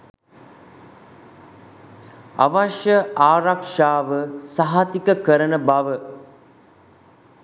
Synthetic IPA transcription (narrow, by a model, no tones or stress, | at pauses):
a̰ʋaʃjəaːɾakʂaːʋəsaɦat̪ikəkəɾənəbaʋə